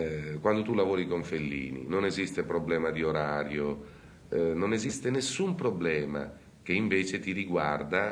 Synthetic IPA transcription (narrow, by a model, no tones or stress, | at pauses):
kwand̪ot̪ulavoːɾikoɱfelːḭːnḭnonezist̪epɾoblɛːmad̪ioɾaːɾjo | nonezist̪enesːumpɾoblɛːma̰ | k̟eiɱveːt͡ʃet̪iɾiɡward̪a